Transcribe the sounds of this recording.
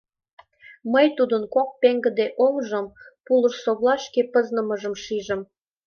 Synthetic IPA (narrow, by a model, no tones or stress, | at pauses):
məjt̪ud̪ənkok̚peŋɡə̆d̪eʔolʒəmpulə̆ʃsoβlɑʃkepəznə̆məʒə̆mʃiʒə̆m